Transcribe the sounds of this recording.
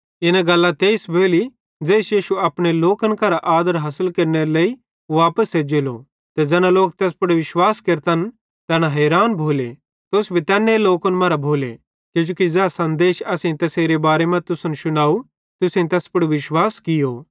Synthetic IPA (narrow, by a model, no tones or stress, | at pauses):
ɪnãɡɐlːat̪eːɪsbʱoːli | d͡zɛːsjiːʃuɐpɽ̃eloːkənkɐɾaʔaːd̪əɾɦɐsəlkɐɾneɾeleːi | ʋaːpəsːed͡ʒeːlo̰ | t̪ɛd͡ʒɛːnaloːkt̪ɛːspʊɽuʋɪʃwaːskeɾt̪ɐn | t̪ɛːnaɦɛːɾaːnbʱoːle | t̪oːsbʱit̪ɛːnːeloːkənmɐɾabʱoːlḛ | kid͡ʒoːkid͡zɛːasɐ̃nd̪eːʃɐsẽt̪ɐseːɾebaːɾemɐ̃t̪ʊsʊnʃʊnaːu | t̪ʊsẽt̪ɛːspʊɽuʋɪʃwaːskɪjo